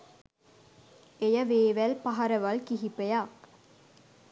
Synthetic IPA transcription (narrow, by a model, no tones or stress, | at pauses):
ejəʋeːʋælpɐɦɐɾəʋɐlkiɦipejaːk